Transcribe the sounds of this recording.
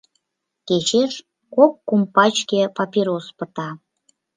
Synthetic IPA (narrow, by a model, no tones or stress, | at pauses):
ket͡ɕeʃ | kokːumpɑt͡ɕkʲepɑpʲeɾospə̆t̪ɑ